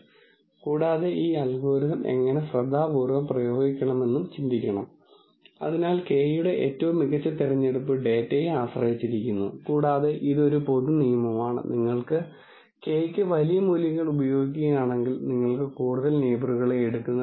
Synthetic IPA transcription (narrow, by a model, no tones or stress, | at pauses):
kuːɽaːðe̞ʔiːɐlɡoːɾiðɐme̞̰ŋːɐne̞ɕrɐd̪ʱːaːbuːrʋɐmprɐjo̞ːɡikʲːɐɳɐme̞nːumt͡ɕind̪ikʲːɐɳɐm | ɐ̰ðinaːlke̞juɽe̞ʔḛːtːɐʋumːiɣɐt͡ɕːɐt̪irɐɲːeɽupːɨɖe̞ːtːeːjaːɕrɐɦit͡ɕːiɾikʲːunːṵkuːɽaːðe̞ʔiðo̞ɾupo̞ðunijɐmɐmaːɳɨ̰niŋːɐɭkɨ | keːjkʲːɨʋɐlijɐmuːljɐŋːɐɭubɐjo̞ːɡikʲːiɐjaːɳe̞ŋɡilniŋːɐɭkɨkuːɽuðɐlneːbɐruɣɐɭeːɽukːunːɐ